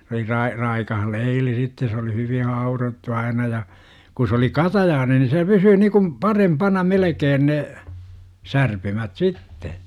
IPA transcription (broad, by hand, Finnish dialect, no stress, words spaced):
s oli rɑi rɑikɑh leili sitːe se oli hyʋin̞ hɑurotːu ɑinɑ jɑ ku s oli kɑtɑjɑːne ni se pysyː nikum pɑrempɑnɑ melekeːn ne særpymæt sitːe